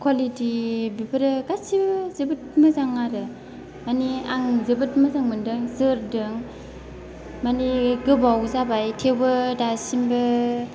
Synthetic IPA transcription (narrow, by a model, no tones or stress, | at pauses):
kʰwalitibipʰɯɾɯɡasibɯzɯbɯt̚mɯzaŋaɾɯ | maniaŋzɯbɯt̚mɯzaŋmɯndɯŋzɯɾdɯŋ | maniɡɯbawzabajtʰebɯdasimbɯ